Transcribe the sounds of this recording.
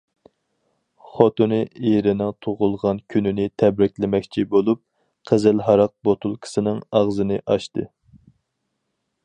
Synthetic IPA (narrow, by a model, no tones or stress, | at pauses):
χot̪unɨeɾɪnɪŋt̪ʰoʁʊlˠʁɑnkʲʰynɪnɪt̪ʰɛbɾɪkʲlɪmɛkʲt͡ʃʰibolˠup̚ | qʰəzɪlɦɑɾɑq̚bot̪ʰulˠkʰsɨnɨŋɑʁzɨnɨʔɑʃt̪ɨ̰